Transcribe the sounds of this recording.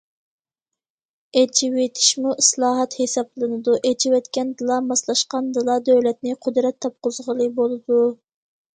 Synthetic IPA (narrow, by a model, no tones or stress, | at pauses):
et͡ʃʰiwet̪ʰɪ̥ʃmuʔislˠɑːɦɑt̪hesɑblˠɨnɨd̪uʔet͡ʃʰiwɛt̪kʲɛnd̪ɨlˠɑmɑslˠɑʃqɑnd̪ɨlˠɑd̪øwlɛt̪nɪqʰʊd̪ɾɛt̪ʰːɑp̚qʊzʁəlˠɨbolˠɨd̪u